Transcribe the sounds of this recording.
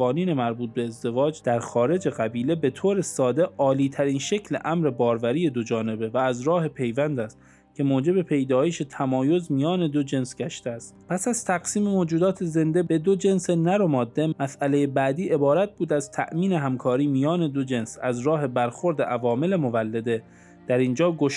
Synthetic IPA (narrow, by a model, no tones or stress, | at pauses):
ɒːniːne̞mæɾbuːt̪̚be̞ːzd̪e̞vɒːd͡ʒd̪̥æɾxɒːɾe̞d͡ʒe̞ɣæbiːle̞be̞t̪ʰoːɾe̞sɒːd̪eɒːliːt̪ʰæɾiːnʃe̞kʰlḛʔæmɾe̞bɒːɾvæɾiːje̞d̪od͡ʒɒːne̞be̞væːzɾɒːhe̞pʰe̞jvænd̪æst̪ | cʰe̞moːd͡ʒe̞be̞pʰe̞jd̪ɒːjeʃet̪ʰæmɒːjozmijɒːne̞d̪o̞d͡ʒe̞nsɡæʃt̪eæst̪pʰæsæz̥t̪ʰæɡsiːme̞moːd͡ʒuːd̪ɒːt̪ʰe̞ze̞nd̪ebe̞d̪o̞d͡ʒe̞nse̞næɾo̞mɒːd̪ːe̞mæsælejebæd̪iːʔe̞bɒːɾæt̪̚b̥uːd̪æzt̪ʰæ̰ʔmiːneɦæmkʰɒːɾiːmijɒːne̞d̪od͡ʒe̞nsæzɾɒːɦe̞bæɾxo̞ɾd̪eʔævɒːme̞le̞mo̞vælːed̪e̞ | d̪̥æɾind͡ʒɒːɡoʃ